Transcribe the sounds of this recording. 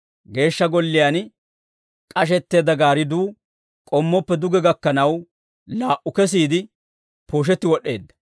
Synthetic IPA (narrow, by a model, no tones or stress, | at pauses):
ɡe̞ːʃːɐɡɔlːɪjan | kʼɐʃ̬ɛt̪ːe̞ːd̪ɐɡaːɾɪd̪uː | kʼɔmːɔpːɛd̪ʊɡɛɡɐkːɐnɐw | laːʔʊkɛs̬iːd̪ɪ | poːʃ̬ɛt̪ːɪwɔɗe̞̰ːd̪ːɐ̥